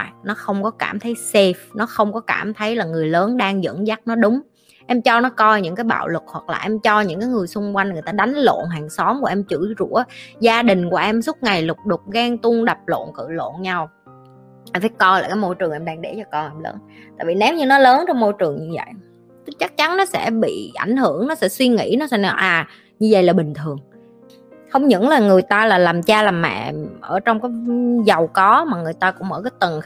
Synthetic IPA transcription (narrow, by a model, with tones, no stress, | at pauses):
jnɔ˨˦xə˧wŋ͡mkɔ˨˦kaː˧˩mt̪ʰə˨˦jse˧˩fnɔ˨˦xə˧wŋ͡mkɔ˨˦ka̰ː˧˩mt̪ʰə˨˦jlaː˨˩ŋɨ˨˩əjləː˨˦nɗaː˧ŋzə̰˧˥nza˦˥k̚nɔ˨˦ɗʊ˨˦ŋ͡m | ʔɛ˧mt͡ɕɔ˧nɔ˨˦kɔ˧jɲɨ̰˧˥ŋkaː˨˦jɓa̰ː˧˨wlɨ˨˩k̚hwa˨˩k̚la̰ː˨˩ʔɛ˧mt͡ɕɔ˧ɲɨ̰˧˥ŋkaː˨˦jŋɨ˨˩əjsʊ˧ŋ͡mkwa˧jŋ̟ŋɨ˨˩əjt̪aː˧ɗa˨˦jŋ̟lo̰˧˨nɦaː˨˩ŋsɔ˨˦mku˧˩əʔɛ˧mt͡ɕɨ̰˧˩zṵ˧˥əzaː˧ɗï˨˩ŋ̟ku˧˩əʔɛ˧msʊ˦˥t̚ŋa˨˩jlʊ˨˩k͡p̚ɗʊ˨˩k͡p̚ɣaː˧ŋt̪u˧əŋɗa˨˩p̚lo̰˧˨nkɨ̰˧˨lo̰˧˨nɲa˧w | ɗa˨˧˩faː˨˦jkɔ˧laː˨˩jkaː˨˦jmo˧jt͡ɕɨ˨˩əŋʔɛ˧mɗaː˧ŋɗe˧˩t͡ɕɔ˧kɔ˧ʔɛ˧mlə̰ː˨˦nt̪a̰ː˧˨jvḭ˨˩nɛ˨˦wɲɨ˧nɔ˨˦ləː˨˦nt͡ɕɔ˧wŋ͡mmo˧jt͡ɕɨ˨˩əŋɲɨ˧və̰˧˨j | t̪ɨ˨˦t͡ɕa˦˥k̚t͡ɕa˨˦nnɔ˨˦sɛ̰˧˥ɓḭ˧˨ʔa̰˧˩jŋ̟hɨ˧˩əŋnɔ˨˦sɛ̰˧˥swi˧ŋḭ˧˥nɔ˨˦sɛ̰˧˥n˨˩ʔaː˨˩ | ɲɨ˧və̰˧˨jlaː˨˩ɓï˨˩ŋ̟t̪ʰɨ˨˩əŋ | hə˧wŋ͡mɲɨ̰˧˥ŋlaː˨˩ŋɨ˨˩əjt̪aː˧laː˨˩laː˨˩mt͡ɕaː˧laː˨˩mɛ̰˧˨ʔəː˧˩t͡ɕɔ˧wŋ͡mkaː˨˦jzə˨˩wkɔ˨˦maː˨˩ŋɨ˨˩əjt̪aː˧kʊ̰˧˥ŋ͡mmə̰ː˧˩kaː˨˦jt̪ɨ˨˩ŋ